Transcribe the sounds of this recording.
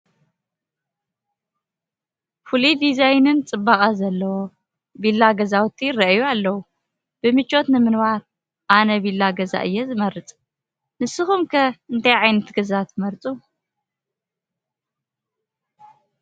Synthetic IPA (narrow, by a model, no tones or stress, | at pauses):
fulid̪izajnɨnt͡sʼɨbːakʼazɐlːɐwo̞ | bilːaɡɐzawt̪ʰːirɐʔjualːɐwu | b̥ɨmɨt͡ʃʰʼːo̞t̪nɨmɨnwaɾ | ʔanɐbilːaɡɐza̰ʔɨjːɛzɨmɐɾɨt͡sʼ | nɨsːɨxumkʰɐɨnt̪ʰajʕajnɐt̪ɡɐzat̪ʰmɐɾt͡sʼu